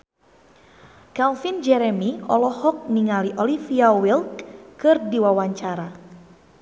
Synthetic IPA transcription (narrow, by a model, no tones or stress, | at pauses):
kalfind͡ʒɛɾɛmiɔ̰lɔhɔk̚niŋaliʔɔlifiawilt̪kɨrdiwawaɲt͡ʃaɾa